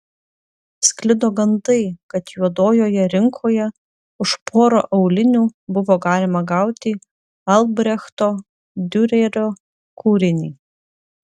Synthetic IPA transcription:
sʲklʲɪd̪oːɡɐnd̪ɐɪkɐt̪juɔd̪oːjoːjɛɾʲɪŋkʰoːjɛ | ʊʃpʰoːɾo̰ːʔɐʊlʲɪnʲuːbʊʋoːɡɑːlʲɪmɐɡɑˑʊt̪ʲɪ | ɐlˠbʲɾʲɛxt̪oː | d̪ʲʊɾʲɛɾʲoː | kʰuːɾʲɪnʲiː

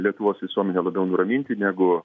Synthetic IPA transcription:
lʲiɛt̪ʊʋoːsʋʲɪsuɔmʲɛnʲeːlˠɐbʲɛʊnʊɾɐmʲiːnʲt̪ʲɪnʲæːɡʊ

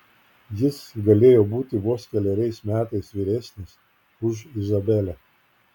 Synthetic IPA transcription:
jɪsɡɐlʲeːjoːbuːt̪ʲɪʋuɔskʲɛlʲɛɾʲɛɪsmʲæːt̪ɐɪsʋʲiːɾʲæsʲnʲɪs | ʊʃɪzɐbʲɛlʲɛ

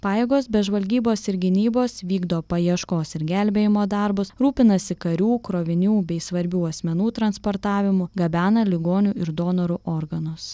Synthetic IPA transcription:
pɑːjeːɡoːsbʲɛʒʋɐlʲɡʲiːboːsɪɾɡʲɪnʲiːboːsʋʲiːɡd̪oːpɐiɛʃkoːsɪɾɡʲælʲbʲeːjɪmoːd̪ɑɾbʊsɾuːpʲɪnɐsʲɪkɐɾʲuːkɾoːʋʲɪnʲuːbʲɛɪsʋɐɾʲbʲuːɐsʲmʲɛnuːt̪ɾɐnspoːɾt̪ɑːʋʲɪmʊɡɐbʲæːnɐlʲɪɡoːnʲuːɪɾd̪oːnɔɾuʔoːɾɡɐnʊs

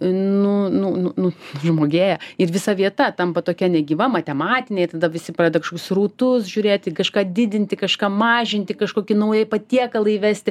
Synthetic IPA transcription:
nʊnʊnʊnʊʒmoːɡʲeːjɛɪɾʋʲɪsɐʋʲiɛt̪ɐt̪ɐmpɐt̪oːkʲɛnʲɛɡʲɪʋɐmɐt̪ʲɛmɑːt̪ʲɪnʲɛɪt̪ɐd̪ɐʋʲɪsʲɪpɑːd̪ɐkɐʃkokʲʊsruːt̪ʊsʒʲuːɾʲeːt̪ʲkɐʃkɑːd̪ʲɪd̪ʲɪnʲt̪ʲɪkɐʃkɑːmɑːʒʲɪnʲt̪ʲɪkɐʃkoːkʲɪnɐʊjɛpɐt̪ʲiɛkɐlˠɐɪiʋʲæsʲt̪ʲɪ

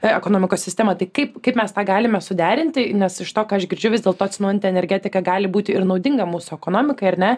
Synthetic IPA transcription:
ɛkonoːmʲɪkoːsʲsʲɪsʲt̪ʲɛːmɐt̪ɐɪkɐɪpkɐɪpmʲɛst̪ɑːɡɑːlʲɪmʲɛsʊd̪ʲæːɾʲɪnʲt̪ʲɪnʲɛsɪʃt̪oːkɑːɐʃɡʲɪɾʲd͡ʒʲʊʋʲɪzʲdʲeːlˠt̪oːt̪ʲsʲɪnoːjɛnʲt̪ʲɛnʲɛɾʲɡʲɛːt̪ʲɪkɐɡɑːlʲɪbuːt̪ʲɪɪɾnɒʊd̪ʲɪŋɡɐmuːsʊɛkoːnoːmʲɪkɐɪɐɾnʲɛ

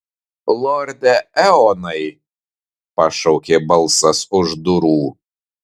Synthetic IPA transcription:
lˠɔɾʲd̪ʲɛɛɔnɐɪ | pɐʃɔʊkʲeːbɐlˠˑsɐsʊʒd̪ʊɾuː

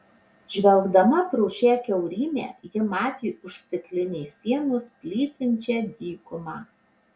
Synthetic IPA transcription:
ʒʲʋʲɛlˠɡd̪ɐmɐpɾʊːʃʲæːkʲɛʊɾʲiːmʲḛːjɪmɑːt̪ʲiːʊʃʲsʲt̪ʲɪklʲɪnʲɛɪsʲiɛnʊspʲlʲiːt̪ʲɪnʲt͡ʃʲɛːd̪ʲiːkʊmɑː

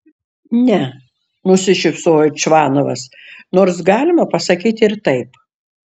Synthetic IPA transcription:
nʲɛ | nʊsʲɪʃʲɪfsoːjot͡ʃʋɑːnoʋɐ̰snoːɾs̬ɡɑːlʲɪmɐpɐsɐkʲiːt̪ʲɪɾt̪ɐɪp

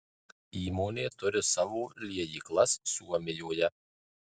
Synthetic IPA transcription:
iːmoːnʲeːt̪ʊɾʲɪsɑːʋoːlʲiɛjiːklˠɐsːʲuːɔmʲɪjoːjɛ

